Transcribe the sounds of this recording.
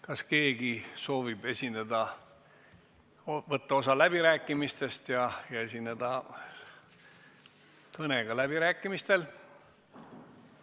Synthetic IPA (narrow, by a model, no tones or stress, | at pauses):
kɑske̞ːɡ̥iso̞ːvib̥e̞sʲined̪̥ɑ | vɤt̪ːɑo̞sɑlæb̥iɾæːkːˑimist̪e̞st̪jɑjɑe̞sined̪̥ɑ | t̪ɤneɡ̥ɑlæb̥iɾæːkːˑimist̪e̞l